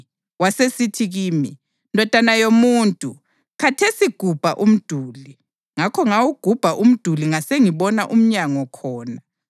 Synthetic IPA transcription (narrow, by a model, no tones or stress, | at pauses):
wasesitʰiɣiːmi | ndʱɔd̥ʱanajomuːntʼu | kʰatʰesiɡ̥ʱub̥ʱaʔum̩d̥ʱuːli | ŋakʰɔŋawuɡ̥ʱub̥ʱaʔum̩d̥ʱuliŋaseŋiβɔnaʔum̩ɲaŋɔkʰɔːna